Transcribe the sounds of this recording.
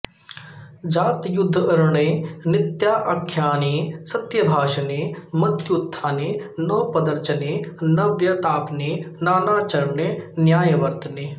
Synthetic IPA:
d͡ʒaːt̪jʊd̪ʱːəɾɳẽːnɪt̪jaːʔɐkʰːjaːneːsət̪jəbʱaːʃneːmɐt̪jʊt̪ʰːãːneːnoːpəd̪əɾt͡ʃəneːnɐʋjət̪aːpneːnaːnãːt͡ʃəɾmneːnjaːjʋəɾt̪neː

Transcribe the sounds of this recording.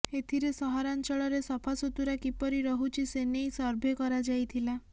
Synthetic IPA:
et̪ʰiɾesɔɦɔɾant͡ʃɔɭɔɾesɔpʰasot̪uɾakipɔɾiɾɔɦut͡ʃʰisenejsɔɾbʱekɔɾad͡ʒajt̪ʰila

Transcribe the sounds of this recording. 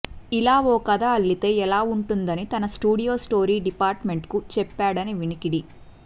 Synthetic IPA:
ilaːʋɔːkɐd̪aːɐlːit̪e̞ːɛlaːuɳʈund̪ɐnit̪ɐnɐsʈuːɽijo̞ːsʈo̞ːɾiːɖipaːɾʈme̞ɳʈkut͡ʃɛpːaːɽɐniʋinikiɽi

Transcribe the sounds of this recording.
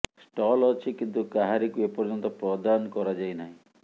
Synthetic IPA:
sʈɔlɔt͡ʃʰikint̪ukaɦaɾikuepɔɾd͡ʒɔnt̪ɔpɾɔd̪ankɔɾad͡ʒajnaɦĩ

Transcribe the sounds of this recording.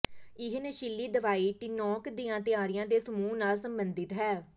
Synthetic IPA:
ɪɦneːʃɪlːiːd̪əʋaːiːʈɪnɔːkd̪ijãːt̪ɪaːɾɪjãːd̪eːsəmuːnaːlsəmbənd̪ɪt̪ɦɛː

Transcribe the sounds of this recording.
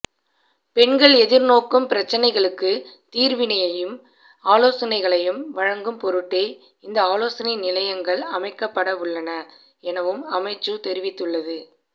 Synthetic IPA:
pɛɳɡɐɭɛðɪɾnoːkɯmpɪɾɐt͡ʃːɐnɐɪɣɐɭɯkːɯ | t̪iːɾʋɪnɐjɐjɯm | aːloːsɐnɐɪɣɐɭɐjɯmʋɐɻɐŋɡɯmpɔɾɯʈːeɪ | ɪnd̪ɐaːloːsɐnɐɪnɪlɐjɐŋɡɐɭɐmɐɪkːɐpːɐɽɐʋɯɭːɐnɐ | ɛnɐʋɯmɐmɐɪt͡ʃːɯt̪ɛɾɪʋɪt̪ːɯɭːɐðɯ

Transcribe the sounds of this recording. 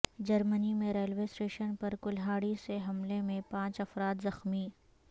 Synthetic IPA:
d͡ʒɐɾmənimẽɾeːlʋeːsʈeːʃənpɐɾkʊlɦaːɽiseɦɐmlemẽpãːt͡ʃɐfɾaːt̪zɐxmiː

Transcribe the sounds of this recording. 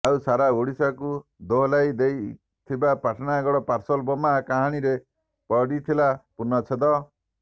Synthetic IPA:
awsaɾaoɽisakud̪oɦlajd̪ej | t̪ʰibapaʈʰnaɡɔɽɔpaɾsɔlbɔmakaɦaɽ̃iɾe | pɔɽit̪ʰilapunɔt͡ʃʰed̪ɔ

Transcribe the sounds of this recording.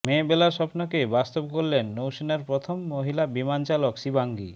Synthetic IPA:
mebelaɾʃɔpnokebast̪ob̚koɾlenːowʃinaɾpɾot̪ʰomːoɦilabimant͡ɕalokʃibaŋɡḭ

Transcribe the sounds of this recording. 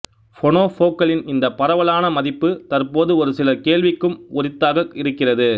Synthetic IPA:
fɔɳoːfoːkɐlɪnɪnd̪ɐpɐɾɐʋɐlaːnɐmɐðɪpːɯt̪ɐrpoːðɯɔɾɯsɪlɐkeːɭʋɪkːɯmʊɾɪt̪ːaːɣɐɪɾɯkːɪrɐðɯ

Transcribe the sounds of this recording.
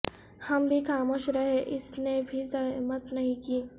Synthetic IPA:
hɐmbʱikaːmoʃɾɐɦeʔɪsnebʱizɐmət̪nɐɦĩkiː

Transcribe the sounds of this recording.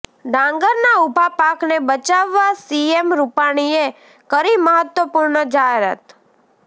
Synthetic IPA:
ɖ̪ʱãŋɡəɾnaubʱapaknebət͡ʃaʋːasiemɾupaɽ̃ie | kəɾiməɦət̪wəpuɾɳəd͡ʒaɦeɾə̰t̪

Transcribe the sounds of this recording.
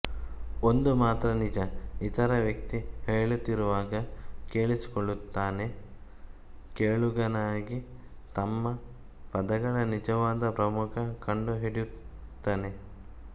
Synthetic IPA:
ond̪umaːt̪ɾɐnid͡ʒɐit̪ɐɾɐʋjɐk̚t̪iheːɭut̪ːiɾuʋaːɡɐkeːɭisi̥koɭːut̪ːaːne̞ | keːɭuɡɐnaːɡi | t̪ɐmːɐ | pɐd̪ɐɡɐɭɐnid͡ʒɐʋaːd̪ɐpɾɐmukʰɐkɐɳɖuɦiɽjut̪ːaːne̞

